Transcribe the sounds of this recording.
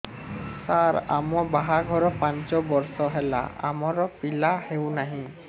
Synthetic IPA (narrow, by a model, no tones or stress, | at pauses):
saɾa̰mɔbaɦaɡʱɔɾɔpant͡ʃɔbɔɹsɔɦela̰a̰mɔɾɔpilahewnaɦĩ